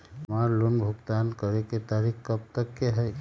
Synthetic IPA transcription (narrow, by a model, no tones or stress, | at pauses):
maɾlʊnbʱʊɡt̪ankəɾeket̪aɾikkəp̚t̪əkːeɦɛj